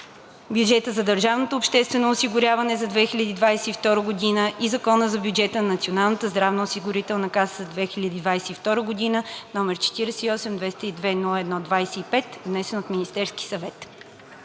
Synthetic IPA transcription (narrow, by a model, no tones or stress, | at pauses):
bjud͡ʒɛt̪əzɐd̪əɾʒavnot̪oʊːpʃt̪ɛst̪vɛnoʊsiɡʊɾʲavɐnɛzɐd̪vɛxilʲəd̪iːd̪vajsɛift̪ɔɾəɡod̪inəʔizɐkɔnəzɐbjud͡ʒɛt̪ənɐnɐt̪sionalˠnət̪əzd̪ɾavnəosiɡʊɾit̪ɛlˠnɐkaszɐd̪vɛxilʲəd̪iːd̪vajsɛift̪ɔɾəɡod̪inənɔmɛɾt͡ʃɛ̥t̪iɾɛsɛiɔsɛmd̪vɛst̪əid̪vɛnulˠəɛd̪nɔd̪vajsɛipɛt̪vnɛsɛnot̪minist̪ɛɾskʲi̥sɐvɛt̪